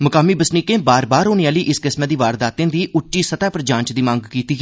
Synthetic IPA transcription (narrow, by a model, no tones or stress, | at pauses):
məkaːmiːbəsniːkẽːbaːɾbaːɾoːneaːliːʔɪskɪsmeːd̪iːʋaːɾd̪aːt̪ẽːd̪iːʔʊʈːiːsət̪ɛːpɾəd͡ʒãːɲt͡ʃd̪iːmãŋɡkiːt̪iː